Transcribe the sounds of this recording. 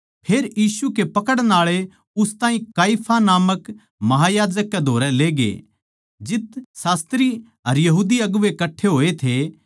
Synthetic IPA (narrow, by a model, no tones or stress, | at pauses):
pʰeːɾjiːsukepɐkəɽnaːɭe | ʊst̪aːɦĩkaːipʰanaːmək | mɐɦajaːd͡ʒəkːed̪ʱoːɾɛleːɡḛ | d͡ʒɪt̪saːst̪ɾi | ɦɐɾjɐɦuːd̪iɐɡʊʋekɐʈʰːeɦoːet̪ʰe